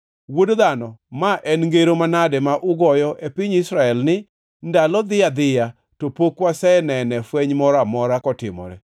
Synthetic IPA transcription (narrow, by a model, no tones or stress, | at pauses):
wodd̪anɔmaʔɛnŋɡeɾomanadɛmaʔʊɡɔjɔʔepɪɲɪsɾaɛlnɪ | ndalɔd̪ɪad̪ɪja | topokwasɛnɛnɛfwɛɲmɔɾamɔɾakɔtɪmɔ̰ɾɛ̰